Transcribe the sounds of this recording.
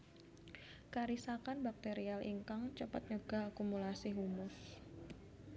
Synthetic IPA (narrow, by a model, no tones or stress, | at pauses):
kaɾisakanbak̚t̪eɾialʔḭŋkaŋt͡ʃəpət̪̚ɲəɡ̥aakumulasiɦumʊs